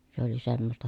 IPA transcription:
se oli semːostɑ

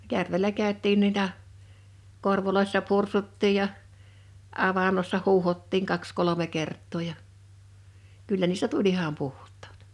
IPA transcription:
jærʋelæ kæˑøtˑiːn nuitɑ korʋoloisːɑ pursutːiːj jɑ ɑʋɑnːosːɑ huːhotːiŋ kɑks kolome kertˑoː jɑ kylːæ niːstæ tulʲ ihɑm puhtˑɑ̥ːt

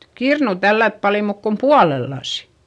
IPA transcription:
kirnuˑ tælːæt pɑli muːk kom puɑlelːɑsi̥

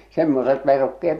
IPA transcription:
semːoset ʋerukːeet

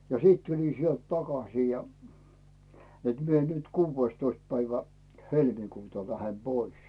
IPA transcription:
jɑ siːt tulin̞ sielt tɑkɑsiː jɑ net mie nyt kuːʋːeĭstoist pæiʋæ helmikuːtɑ læhem b̥ois

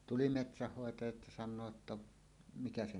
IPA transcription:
tuli metsæhːoetɑjɑt jɑ sɑnˑoː tːɑ mikæ se

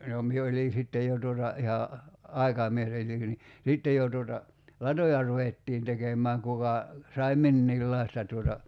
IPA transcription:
no mie olin̞ sitːej jo tuotɑ ihɑ ɑi̞kɑmies ni sitːej jo tuotɑ lɑtojɑ ruʋetːiːn tekemˑæːŋ kukɑ sɑi̞ minːiːlːɑistɑ tuotɑ

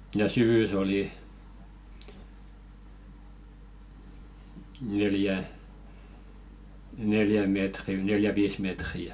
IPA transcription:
jɑ syʋys oli neljæ neljæ meˑtri neljæ ʋiːs metri

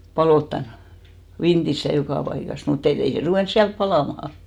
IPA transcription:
pɑloˑtːɑn ʋintis jɑ jokɑˑ pɑikɑs mut etː ei se ruʋeˑns siælp pɑlɑˑmɑhɑ

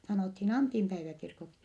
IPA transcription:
sɑnoˑthin ɑntimpæiʋækirkoksi

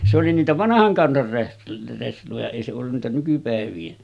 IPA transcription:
se oli niːtæ ʋɑnɑhɑŋ kɑnsɑr reh reslojɑ eˑi se olːun næˑetæ nykypæˑeʋˑiːn

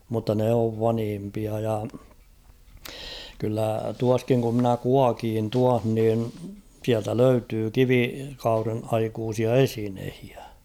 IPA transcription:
mutːɑ ne oʋ ʋɑnhimpiɑ jɑ kylːæ tuɑskiŋ ku mnæ kuɑkiːn tuɑh nin̞ siæltæ løytyː kiʋikɑuren ɑikuːsiɑ esinehi̥æ̥

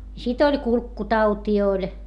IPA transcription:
sit olʲ kulkːutɑutiː olʲ

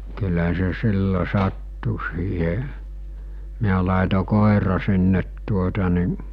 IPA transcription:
kylæ se silːo sɑtːu siːhe miæ lɑˑeto koˑerɑ sinːet tuotɑ ni

